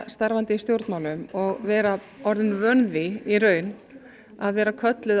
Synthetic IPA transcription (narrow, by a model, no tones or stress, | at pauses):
st̪aɾvant̪ɪst̪jowɾt̪nmawlʏmɔɣvɛːɾa | ɔɾðɪnvœnvɪiɾœːɥn | aðvɛːɾakʰœt̪lɪð